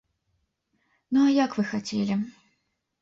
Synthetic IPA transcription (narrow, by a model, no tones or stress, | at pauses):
nuajakvɨxat͡sʲelʲɪ